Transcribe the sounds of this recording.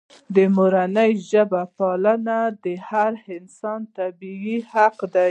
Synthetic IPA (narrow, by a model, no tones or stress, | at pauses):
d̪əmoɾanəjʒəbapɑlənad̪əhaɾhɪnsɑnt̪abiihaqd̪a